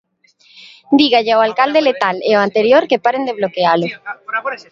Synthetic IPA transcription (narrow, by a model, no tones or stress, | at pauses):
d̪iɣaʎeaowalkald̪ele̞t̪aleoant̪e̞ɾjoɾkepaɾe̞nd̪e̞β̞lo̞kealo